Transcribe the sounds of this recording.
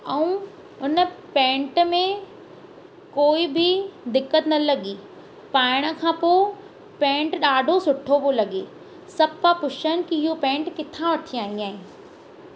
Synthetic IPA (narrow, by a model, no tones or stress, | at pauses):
ɛũ | ʊnə̆pẽːɳʈmẽ | koːibʱɪd̪ɪkːət̪nɐlɐɠiː | paːɪɽ̃ə̆kʰãːpoː | pẽːɳʈɗaːɖʱosʊʈʰopolɐɠeː | sɐpapʊʃən̆kiɦɪɦopẽːɳʈkɪt̪ʰãʋɐʈʰiaːɦĩaːɦẽː